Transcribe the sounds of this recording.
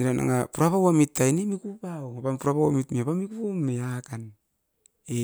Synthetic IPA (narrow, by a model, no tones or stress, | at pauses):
niɾanʔa̰ŋapuɾapawamitːajnimikupawŋapampuɾapawamitmiapamikupamːeakan | e